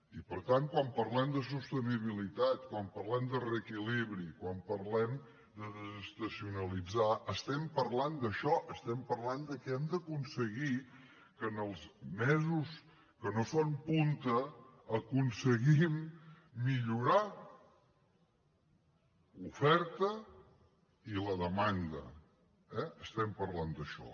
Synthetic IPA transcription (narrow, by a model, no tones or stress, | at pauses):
ipəɾt̪aŋkwampəɾlɛmd̪əs̬ust̪əniβ̞ilit̪at̪kwampərlɛmd̪ərəkiliβɾikwampəɾlɛm | d̪əðəzəst̪əsiunəlid͡zaʔəst̪ɛmpəɾland̪əʃɔʔəst̪ɛmpəɾland̪əkɛɛmd̪əkunsəɣi | kənəlˠzmɛzus | kənosonpunt̪əːkunsəɣimː | iʎuɾa | lufɛɾt̪ə | iləðəmand̪ə̰ | ɛəst̪ɛmpərland̪əʃɔ̰